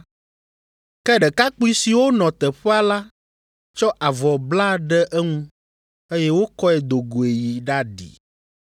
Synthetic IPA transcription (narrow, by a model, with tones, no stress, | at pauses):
kɛ˦ɖɛ˨ka˦k͡pu˦i˦si˨wo˦nɔ̃˨t̪ɛ˨ɸɛ˦a˨la˦ | t͡ʃɔ˦ʔa˨vɔ˨bla˦ɖɛ˦ʔɛ˦ŋũ˦ | e˦jɛ˦wo˦kɔ˦ɛ˨d̪o˨ɡo˨e˨ji˨ɖa˦ɖḭ˨